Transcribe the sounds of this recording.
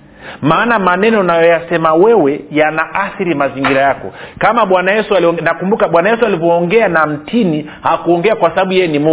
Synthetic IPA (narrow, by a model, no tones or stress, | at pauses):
maːnamanɛnɔnajɔjasɛmawɛwɛjanaʔaθiɾimaziŋɡiɾajakɔ̰kamaɓwanajɛsualnakumbukaɓwanajɛsualivɔːŋɡɛanam̩tʰini | hakuɔŋɡɛakwasaɓaɓujɛjɛnimu